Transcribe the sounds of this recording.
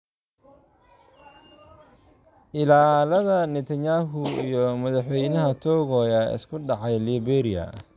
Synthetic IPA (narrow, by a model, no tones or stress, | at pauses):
ʔɪlaːlɐðɐnɪt̪ʰɐɲaːɦʊijɔmɐðɑħwɛjnɐɦɐt̪ʰɔːɣɔːjɐɪ̰skʰʊɖɑʕɑjliːbɛɾiɐ̰